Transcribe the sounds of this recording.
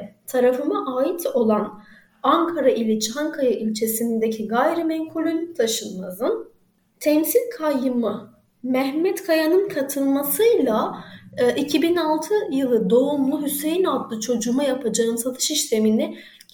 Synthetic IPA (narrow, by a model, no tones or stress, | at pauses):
t̪ʰaɾafɯmaʔaːit̪ʰo̞lˠan | aŋkʰaɾaʔilʲit͡ʃʰihaŋkʰajaʔilʲt͡ʃʰe̞sinind̪ecʰiɡajɾimɛŋkʰo̞lʲolʲyc̚t̪ʰaʃɯnmazɯn | t̪ʰɛnsilʲkʰajːɯmɯ | mɛɦmɛt̪kʰajanɯnkʰat̪ʰɯlˠmasɯjlˠa | ʔicʰibinalˠt̪ʰɯjɯlˠɯd̪o̞umlˠuɦyse̞jinat̪lˠɯt͡ʃʰo̞d͡ʒumajapʰad͡ʒaɯmsat̪ʰɯ̥ʃiʃt̪ʰe̞minɛ